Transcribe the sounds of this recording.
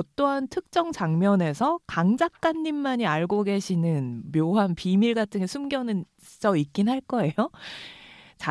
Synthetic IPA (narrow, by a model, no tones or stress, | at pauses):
ʌt͈oɦantʰɯk̚t͡ɕ͈ʌŋt͡ɕaŋmjʌne̞sʰʌkaŋd͡ʑak̚k͈anːimːaɲiaɭɡoɡe̞ɕʰinɯnmjoɦanpimiɭɡatʰɯŋe̞sʰumɡjʌnɯn | t͡ɕ͈ʌik͈inɦaɭk͈ʌe̞jo | t͡ɕa